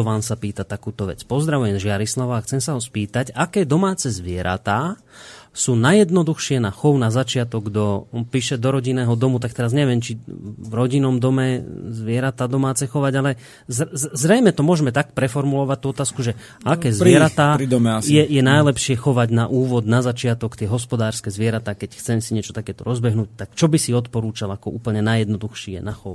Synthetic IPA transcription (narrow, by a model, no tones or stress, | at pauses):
ɔʋaːmsapiːt̪at̪akuːt̪ɔʋɛ̰t͡spɔzd̪ɾaʋujɛmzʒɪaɾislaʋaːxt͡sɛmsaɦɔspiːt̪acakɛːd̪ɔmaːt͡sɛzʋɪɛɾa̰t̪aː | suːnajɛd̪nɔd̪uxʃɪɛnaxɔʊnazat͡ʃɪat̪ɔɡ̚d̪ɔnpiːʃɛd̪ɔɾɔɟinɛːɦɔd̪ɔmut̪ak̚t̪ɛɾazɲɛʋɪɛmt͡ʃivɾɔɟinɔmd̪ɔmɛzʋɪɛɾat̪aːd̪ɔmaːt͡sɛxɔʋaɟalɛ | zzɾɛjmɛt̪ɔmʊɔʒmɛt̪ak̚pɾɛfɔɾmulɔʋac̚t̪uɔt̪aːskuʒɛ | akɛːzʋɛɾat̪aːɾid̪ɔmɛasjɛjɛnajlɛpʃɪɛxɔʋaɟnaʔuːʋɔd̪nazat͡ʃɪat̪ɔkt̪ɪɛɦɔspɔd̪aːɾskɛzʋɪɛɾat̪aːkɛcxt͡sɛmsiɲɪɛt͡ʃɔ̥t̪akɛːt̪ɔɾɔzbɛɦnuːc̚t̪akt͡ʃɔbisiɔt̪pɔɾuːt͡ʃalakɔʔuːpl̩ɲɛnajɛd̪nɔd̪uxʃiɛ̰naxɔʊ